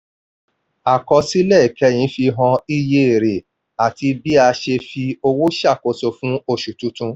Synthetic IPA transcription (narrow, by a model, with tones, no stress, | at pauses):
a˨kɔ˧si˦lɛ˦˨i˨kɛ˨˦j̃ĩ˨˦fi˧ɦɔ̃˧i˦je˧e˨ɾe˨ | a˨ti˧bi˦a˧ʃe˧fi˧o˧wo˦ʃa˦˨ko˧so˧fũ˦o˦˨ʃu˨tũ˨˦tũ˧